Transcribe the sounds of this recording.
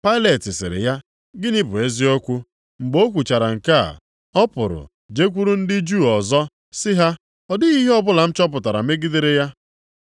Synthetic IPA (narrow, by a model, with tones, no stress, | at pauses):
pa˦ɪ˦le˨tɪ˨sɪ̰˨ɾɪ̰˨ja˦ | ɡɪ˦ni˦bʊ˨e˦zi˦ɔ˦kʷu˦ | ŋ͡m̩˨ɡ͡bo˦kʷu˨t͡ʃa˨ɾa˨ŋ̩˨ka̰˦˨ | ɔ˦pʊ˨ɾʊ̰˨ | d͡ʒe˦kʷu˦ɾu˦n̩˦dɪ˦d͡ʒu˦˨ɔ˨zɔ˦ | sɪ˦ɦa˦ | ɔ˨dɪ˦ɣi˦ɦe˦ɔ˦bʊ˦la˨m̩˦t͡ʃɔ˦p̬ʊ˨ta˨ɾa̰˨me˦ɡɪ˦de˦ɾe˦ja˦